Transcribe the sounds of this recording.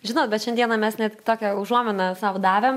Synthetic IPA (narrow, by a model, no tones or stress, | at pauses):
ʒʲɪnoːt̪̚bʲɛt̪ʃʲɛnʲd̪ʲiɛnɐmʲɛsnʲɛt̪ʲt̪oːkʲɛʊʒuɔmʲɪnɐsɐʋd̪ɑːʋʲeːm